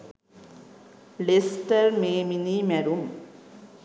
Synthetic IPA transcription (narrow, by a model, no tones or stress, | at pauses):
lestɐrmeːminimɐɾum